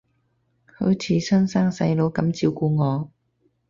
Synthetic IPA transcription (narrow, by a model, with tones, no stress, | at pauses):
hɵ̰˨˥t͡sʰiː˧sœː˥nsaː˥ŋsɐ˧jlo˨˧˥wkɐ˨˥mt͡siː˧wkuː˧ŋɔː˨˧